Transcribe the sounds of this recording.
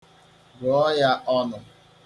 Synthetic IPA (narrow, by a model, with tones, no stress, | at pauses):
ɡɔ˨ɔ˦ja˦ʔɔ˦nʊ˨